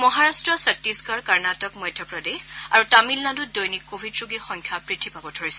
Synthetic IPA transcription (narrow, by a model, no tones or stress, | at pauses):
mɔɦaɹastɹɔsak̚tiskaɹkaɹnatɔkmɔjdʱjɔpɹɔdeaɹutamilnadudojnikːobʱidɹuɡiɹxɔŋkʰjapɹitʰibʱabɔtʰoɹisɛ